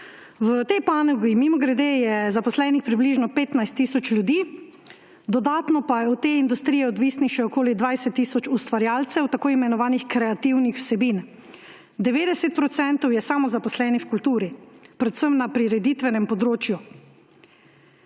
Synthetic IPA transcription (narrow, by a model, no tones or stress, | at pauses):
wt̪ɛjpaːnɔɡimimɔɡɾɛd̪ejɛzapɔslɛːnixpɾibliːʒnɔpeːt̪najst̪ːiːsɔt͡ʃlʲjud̪iː | d̪ɔd̪aːt̪nɔpajɛɔt̪ːeːind̪ust̪ɾijɛɔd̪ʋiːsniʃɛɔkoːlid̪ʋajsɛt̪ːiːsɔt͡ʃust̪ʋaɾjaːlt̪sɛwt̪akoːimɛnɔʋaːnixkɾɛat̪iwnixw̥sɛbin | d̪ɛʋeːd̪ɛsɛt̪̚pɾɔt̪sɛnt̪ɔwjɛsaːmɔzapɔslɛːnixkult̪uːɾipɾɛt̪səmnapɾiɾɛd̪it̪ʋɛnɛmpɔd̪ɾoːt͡ʃju